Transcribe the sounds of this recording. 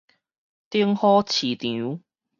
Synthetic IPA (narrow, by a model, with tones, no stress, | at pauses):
t̪i˥əŋhɔː˥t͡sʰiː˨˩t̪i˨˦